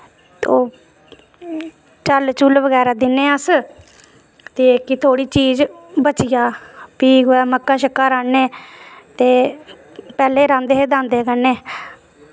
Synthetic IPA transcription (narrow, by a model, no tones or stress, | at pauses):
t̪oː | t͡ʃəlt͡ʃʊlʋəɡɛːɾaːd̪ɪnːeːəs | t̪eːkit̪ʰoːɽiːt͡ʃiːzbət͡ʃɪjaːpiːɡoːɛːməkːaːʃəkːaːɾãːneːt̪eː | pɛːleːɾãːnd̪eːɦed̪ãːnd̪eːkənːeː